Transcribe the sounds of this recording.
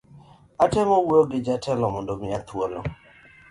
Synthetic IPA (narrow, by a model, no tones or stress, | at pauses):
atɛmɔwɾoɡɪd͡ʒatʰɛlɔmɔndomɪat̪wolɔ̰